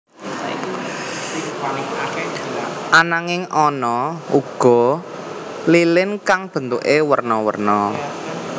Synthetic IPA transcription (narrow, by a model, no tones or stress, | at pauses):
ʔanaŋɪŋʔɔnɔuɡ̥ɔ̤ | lilɪnkaŋb̥ə̤nt̪uʔewərnɔwə̰rnɔ